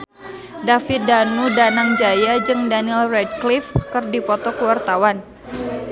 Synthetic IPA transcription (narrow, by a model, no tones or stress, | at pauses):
dafit̪̚danudanaŋd͡ʒajad͡ʒɨŋdanilrɛd̚klifkɨrdipɔt̪ɔkəwart̪awan